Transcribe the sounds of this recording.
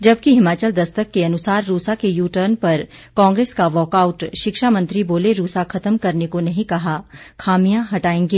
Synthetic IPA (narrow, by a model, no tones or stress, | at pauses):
d͡ʒɐb̚kiɦɪmaːt͡ʃəld̪ɐst̪əkːeɐnʊsaːɾːuːsakejuːʈəɾnpɐɾkãːŋɡɾeːskaʋɔːkaːʊʈʃɪkʃamɐ̃nt̪ɾiboːleɾuːsakʰɐt̪əmkɐɾnekonɐɦĩkɐɦakʰaːmijãɦɐʈaːẽːŋɡeː